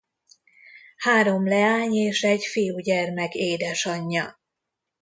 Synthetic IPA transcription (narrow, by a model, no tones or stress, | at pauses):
haːɾo̞mlɛaːɲeːʃɛɟfijuːɟɛrmɛkeːd̪ɛʃɒɲːɒ